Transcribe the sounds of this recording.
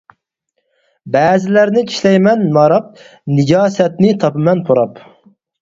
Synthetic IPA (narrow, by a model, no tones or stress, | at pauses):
bɛːzɪlæɾnɪt͡ʃʰi̥ʃlɛjmɛnmɑɾɑp̚ | nɪɡʲɑːsɛt̪nɪt̪ʰɑpɨmɛnpʰoɾɑp